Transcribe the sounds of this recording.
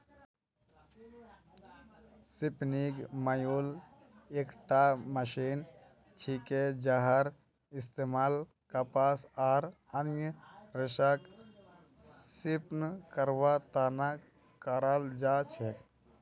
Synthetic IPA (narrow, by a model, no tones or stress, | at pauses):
sipnikmajul | eːkʈaməʃin | t͡ʃʰiked͡ʒaɦəɾ | ɪst̪eːmaːl | kapaːsaːɾ | ənjəɾeʃak | sipnkəɾʋat̪aːna | kəɾald͡ʒaːt͡ʃʰek